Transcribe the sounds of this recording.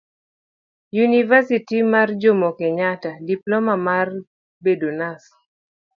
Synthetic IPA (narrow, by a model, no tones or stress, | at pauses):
junivasitimard͡ʒomokeɲatadiplɔmamar | bedonas